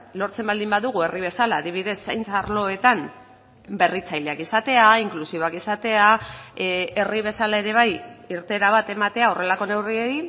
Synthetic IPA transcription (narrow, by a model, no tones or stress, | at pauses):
lo̞ɾt͡se̞mbald̪imbaðuɣue̞riβ̞e̞salaːðiβ̞iðe̞sːajnt͡saɾlo̞e̞t̪am | be̞rit͡sajle̞akisat̪e̞aiŋklusio̞akisat̪e̞a | e̞riβ̞e̞salae̞ɾe̞β̞ajiɾt̪e̞ɾaβat̪e̞mat̪eao̞re̞lako̞ne̞wrieɾi